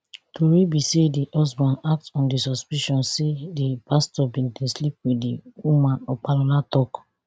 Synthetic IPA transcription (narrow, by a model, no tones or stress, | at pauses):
tʰoɾibisediʔɔsbãnak̚tɔ̃ndisɔspiʃɔ̃nsedipastɔbĩdĩslip̚wediwumãnɔk͡palɔlatɔk